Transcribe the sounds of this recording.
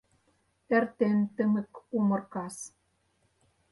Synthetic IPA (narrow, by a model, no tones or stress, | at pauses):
ert̪ent̪ə̆mɘ̆kumɤ̆rkɑs